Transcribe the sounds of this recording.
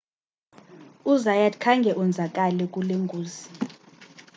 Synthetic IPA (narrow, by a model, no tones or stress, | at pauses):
uzajadkʰaŋɡʱɛʔund͡zʱak̬ʼalɛkʼuleŋɡʱuːzi̥